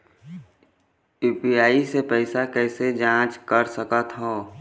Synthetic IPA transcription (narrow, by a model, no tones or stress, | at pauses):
uːpiaːisepɛɪsakɛːsed͡ʒãːt͡ʃkəɾsəkət̪ɦõː